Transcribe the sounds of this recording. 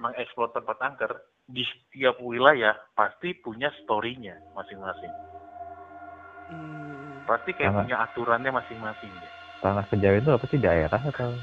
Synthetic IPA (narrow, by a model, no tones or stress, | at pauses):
maŋɛksplɔrt̪əmpat̪aŋkər | dist̪iap̚wilajahpast̪ipuɲast̪oɾiɲamasɪŋmasɪŋ | past̪ikajaapuɲaʔat̪uɾanɲamasɪŋmasɪŋa | t̪anahkəd͡ʒawɪnt̪uapasidaeɾaɦat̪aw